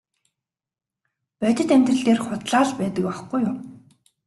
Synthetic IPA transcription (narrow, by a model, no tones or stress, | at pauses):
pœt̪ʲɪ̆t̪æmt̪rə̆ɬt̪eːrχʊt̪ɮaːɮpæːt̪ə̆k̚paχɡujʊm